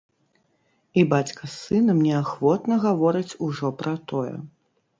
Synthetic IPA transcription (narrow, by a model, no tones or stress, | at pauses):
ibat͡sʲkɐsɨnɐmnʲɛaxvɔt̪nɐɣavɔɾɨt͡sʲuʐɔpɾɐt̪ɔjɛ̰